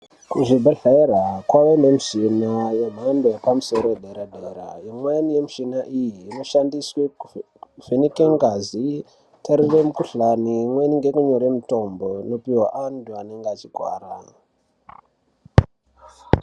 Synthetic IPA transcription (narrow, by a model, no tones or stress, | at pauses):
kuʐibʱaɬaerakwaʋenemiʂinajeɓʱandoepamuso̞ɾojeɗeɾadʱeɾa̰imwenije̞muʃinaʔijiːno̞ʃandisweu | venikeŋɡazi | taɾiremukuɬanimweniŋɡe̞kuɲo̞ɾe̞muto̞mbo̞nopiwaʔanduane̞ŋɡeat͡ʃiɡʱwa̰ːra